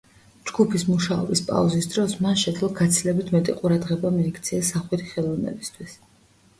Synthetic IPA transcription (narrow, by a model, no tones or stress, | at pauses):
d͡ʒɡupʰismuʃaɔ̰bispʼa̰uzisd̪ɾɔsmanʃɛt̪ʰlˠaɡat̪sʰilɛbit̪ʰmɛt̪ʼiqʼuɾad̪ʁɛbamiːkʰt̪sʰiɛsːaχwit̪ʰi̥χɛlˠɔvnɛ̰bist̪ʰwis